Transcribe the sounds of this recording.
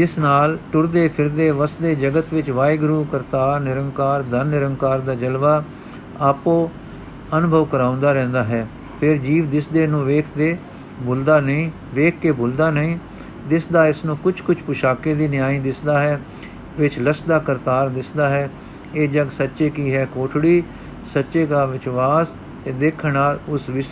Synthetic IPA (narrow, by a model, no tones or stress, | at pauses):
d͡ʒɪsnaːlʈʊɾd̪eːpʰɪɾd̪eːʋəsd̪eːd͡ʒəɡət̪ʋɪt͡ʃʋaːɪɡɾuːkəɾt̪aːɾnɪɾəŋɡkaːɾd̪ənːɪɾəŋɡkaːɾd̪aːd͡ʒəlʋaː | aːpõː | ənʊbʱəʋkəɾãːʊ̃nd̪aːɾɛ̃ːnd̪aːɦɛː | pʰɪɾd͡ʒiːʋd̪ɪsd̪eːnũːʋeːkʰd̪eː | boːld̪aːnəĩː | ʋeːk̚ʰkeːboːld̪aːnəĩː | d̪ɪsd̪aːɪsnũːkʊt͡ʃʰkʊt͡ʃʰpʊʃaːkeːd̪iːnɪjaːĩːd̪ɪsd̪aːɦɛː | ʋɪt͡ʃləsd̪aːkəɾt̪aːɾd̪ɪsd̪aːɦɛː | eːd͡ʒəɡsətːʃeːkiːɦɛːkoːʈʰɽiː | sətːʃeːɡaːʋɪt͡ʃʋaːs | t̪eːd̪eːkʰnaːlʊsʋɪs